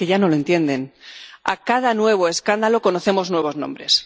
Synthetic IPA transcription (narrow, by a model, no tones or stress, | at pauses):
eʝano̞lont̪je̞nd̪e̞na̰kað̞anwe̞β̞o̞eskand̪alo̞ko̞noθe̞mo̞znwe̞β̞o̞znõ̞mbɾe̞s